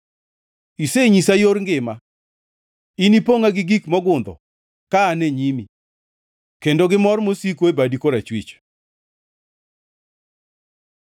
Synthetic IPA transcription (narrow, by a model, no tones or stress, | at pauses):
iseɲisajoɾŋɡɪma | inipoŋaɡɪɡikmɔɡʊnd̪ɔ̰ | kaːneɲimi | kendoɡɪmɔrmosikoebadikoɾat͡ʃwḭt͡ʃ